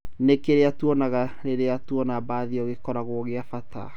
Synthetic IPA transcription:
nekeɾeatuɔnaɣaɾeɾeatuɔnabaːðiɔɣekɔɾaɣoɣeafatʰa̰

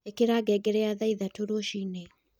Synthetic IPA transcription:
ekeɾaɡɛɡɛɾɛaðaiðatoɾoɔʃine

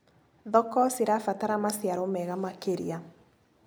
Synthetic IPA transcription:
ðɔkɔsiɾafataɾamasjaɾomɛɣamakeɾia

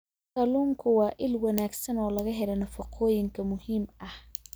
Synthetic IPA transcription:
kɐluːŋkʰʊwɑːʔɪlwɐnaːɡsɐnɔːlɐɣɐɦɛlɐnɐfɐqʰɔːjɪŋkʰɐmʊhiːmɐh

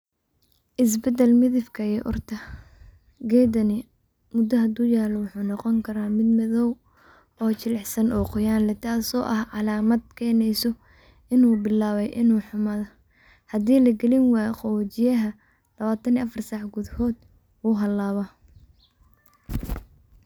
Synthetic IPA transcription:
ʔɪs̬bɛd̪ɛlmɪðɪfkʰɐɛːʔʊrt̪ʰɐ | ɡɛːd̪ɐnɪ | mʊd̪ɐɦɐd̪uːjaːlɔwʊħuːnɔqɔŋkʰɐɾaːmɪd̪mɐðɔw | ɔːt͡ʃɪlɛħsɐnʔɔːqʊjaːnlɛt̪ʰaːsɔ̰ːʔɐhʕɑlaːmɐd̪̚kʰɛːnɛjsɔ | ɪnuːbɪlaːβɛjʔɪnuːħʊmaːðɔ | hɐd̪iːlɐɡɛlɪnwɑːjqɔwt͡ʃɪjɐɦɐ | lɐβaːt̪ʰɐniːɐfɐrsaːħɡʊðhɔːd̪ | wuːɦɐlːaːβɐ

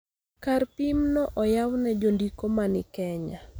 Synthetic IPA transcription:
karpimnɔʔɔjawnɛd͡ʒondikomanɪkɛɲa

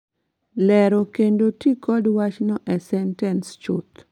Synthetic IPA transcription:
lɛɾokendotikɔdwat͡ʃnɔʔɛsɛntɛnst͡ʃʊ̰t̪

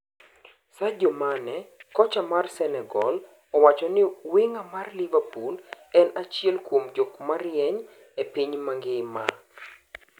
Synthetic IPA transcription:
sad͡ʒɔmanɛkɔt͡ʃamarsɛnɛɡɔ̰l | ɔwat͡ʃɔnɪwɪŋamarlivapul | ɛnat͡ʃjɛlkwomd͡ʒɔkmarjɛɲ | epiɲmaŋɡɪma̰

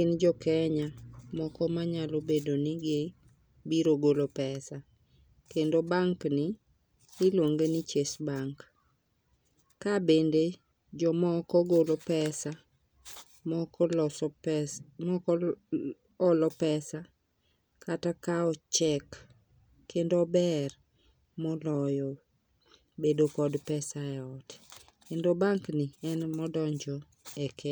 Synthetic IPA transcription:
kɪnd͡ʒɔkɛɲamɔkɔmaɲalobedonɪɡɪ | biɾoɡolopɛsa | kendobaŋknɪ | ɪlwoŋɡenɪt͡ʃesbaŋk | abende | d͡ʒɔmɔkɔɡolopɛsa | mɔk | ɔlɔpɛsa | kʰatakaɔt͡ʃɛkː | endɔbɛr | mɔlɔjɔ | bedokɔdpɛsaɛɔt | kendobaŋkniɛnmɔdɔɲd͡ʒɔ | ɛkʰɛ

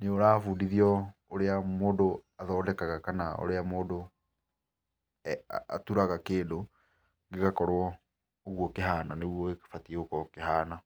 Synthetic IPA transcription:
neoɾaːfuːndiðiɔoɾeamoːdoaðɔːdɛkaɣakanao̰ɾeamoːdo | a̰tuɾaɣakeːdo | ŋɡeɣakɔɾwɔ | oɣwɔkeɦaːnaneɣwɔeke̥fatiɛokɔkeɦaːna

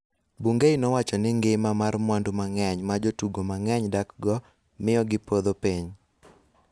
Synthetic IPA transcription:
buŋɡejnɔwat͡ʃɔnɪŋɡɪmamarmwandumaŋɛɲmad͡ʒotuɡomaŋɛɲdakɡɔ | mɪjɔɡɪpod̪opiɲ

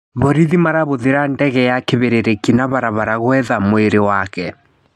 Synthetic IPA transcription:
βɔɾiðimaɾaβoðeɾandɛɣɛjakeβeɾeɾekinaβaɾaβaɾaɣwɛðamoeɾewakɛ

